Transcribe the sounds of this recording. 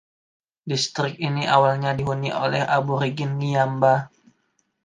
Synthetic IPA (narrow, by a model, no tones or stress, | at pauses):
dist̪ɾɪk̚iniʔawalɲadiɦuniʔolɛhabuɾiɡɪnːiamba